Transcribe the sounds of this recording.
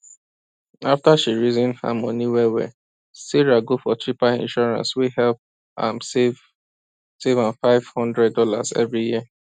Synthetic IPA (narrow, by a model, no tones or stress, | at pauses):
aftaʃiɹizĩnha̰mɔ̃niwɛwɛ̰ | siɹaɡofɔtɹipaḭ̃nʃɔɹã̰nswihɛlp̚ | ã̰mev | sevãnfaɪv̥hɔ̃ndɹɛd̚dɔla̰zɛ̰vɹijiə